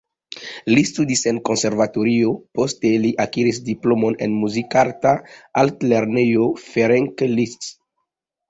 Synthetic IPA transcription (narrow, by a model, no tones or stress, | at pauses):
list̪ud̪isenkõnseɾvat̪oɾiopost̪eliʔakiɾisd̪iplomonḛnmuzikaɾt̪aalt̪leɾnejofeɾẽŋkelists